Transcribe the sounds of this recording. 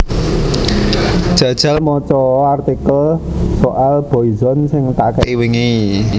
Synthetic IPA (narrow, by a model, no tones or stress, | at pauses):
d̥ʒ̥ä̤d̥ʒ̥a̤lmɔt͡ʃɔart̪ikəlsoʔalb̥ɔ̤izɔnsɪŋt̪aʔkɛʔiwɪŋi